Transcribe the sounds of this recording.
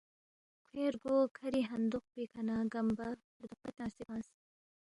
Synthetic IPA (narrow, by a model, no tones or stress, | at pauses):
kʰeːɾɡoːkʰɐɾiːɦɐnd̪uq̚pikʰɐnaːɡɐmbɐpɾd̪uqɐt̪ʲãːnst̪ibãːns